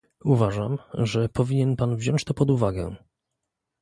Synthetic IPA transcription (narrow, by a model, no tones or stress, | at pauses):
uvaʐamʐɛpɔvʲiɲɛnpanvʑɔ̃ɲt͡ɕt̪ɔpɔd̪uvaɡɛ̰̃